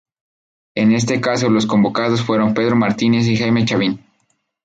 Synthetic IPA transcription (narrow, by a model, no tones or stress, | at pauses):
e̞ne̞s̬t̪e̞kas̬o̞lo̞sko̞mbo̞kað̞o̞sfwe̞ɾo̞mpe̞ð̞ɾo̞maɾt̪ine̞s̬ixajme̞t͡ʃaβin